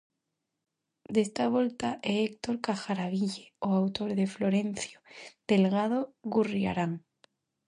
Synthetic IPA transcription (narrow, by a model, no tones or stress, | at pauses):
d̪e̞st̪aβ̞o̞lt̪aʔeek̚t̪o̞ɾkaxaɾaβiʝeoawt̪o̞ɾðe̞flo̞ɾe̞n̟θjod̪̥e̞lɣað̞o̞ɣuria̰ɾaŋ